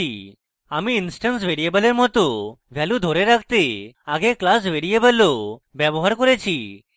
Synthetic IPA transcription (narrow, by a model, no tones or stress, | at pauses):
ḭ | amiːnsʈəns̬ʋeɾijebəleɾmɔt̪oʋʱjalũd̪ʱoɾẽɾakʰt̪eaɡeklas̬ʋeɾiebəlːɔʋjɛbɔɦaɾkɔɾat͡ɕʰi